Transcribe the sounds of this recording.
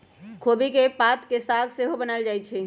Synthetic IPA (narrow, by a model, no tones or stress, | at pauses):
kʰobikepat̪kesaɡseɦobənald͡ʒaːjt͡ʃʰɛ